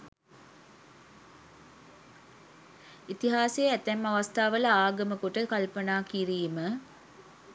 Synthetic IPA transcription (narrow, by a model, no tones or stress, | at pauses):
it̪iɦaːseːæt̪æmːɐʋɐst̪ʰaːʋəlɐaːɡɐməkuʈəkalpənaːkiɾiːmə